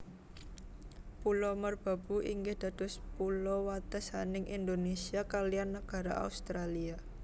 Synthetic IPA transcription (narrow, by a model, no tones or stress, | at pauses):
pulɔmərb̥a̤b̥ṳʔiŋɡɪhd̪̥ä̤d̪̥ɔ̤spulɔwat̪əsanɪŋʔind̪onesiakalianːəɡ̥a̤ɾaʔa̰ust̪ɾalia